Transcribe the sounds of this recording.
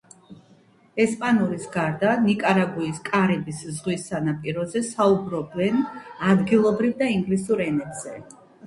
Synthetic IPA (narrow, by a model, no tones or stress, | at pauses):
ɛspʼanuɾisɡaɾd̪anikʼaɾaɡuiskʼaɾɛbiszʁwisːanapʼiɾɔzɛsaubɾɔbɛnad̪ɡilˠɔbɾivd̪aiŋɡlisuɾɛnɛt̪z̥ɛ